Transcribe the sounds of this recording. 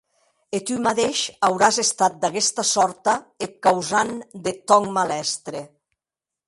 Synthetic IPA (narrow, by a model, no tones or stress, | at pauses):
et̪ymat̪eʃawɾazest̪at̪̚d̪aɣɛst̪asɔɾt̪aekːawzand̪et̪ɔŋmalɛst̪ɾe